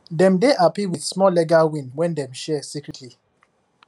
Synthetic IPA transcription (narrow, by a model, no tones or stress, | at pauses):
dɛ̃mdeʔapiwiθsmɔlɛɡawĩnwɛ̃ndɛ̃mʃɛsikɹitʰli